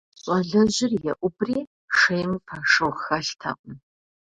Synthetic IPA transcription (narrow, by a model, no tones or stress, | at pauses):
ɕʼɐɮɐʑɪrjɛ̰ʔʷʊbriː | ʂejmpʰɐʂɨwxɐɬtʰɐ̰ʔʷʊ